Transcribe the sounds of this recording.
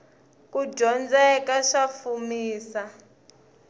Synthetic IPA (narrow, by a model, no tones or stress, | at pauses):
kud͡ʒʱɔnd͡zɛkaʂafumiːsa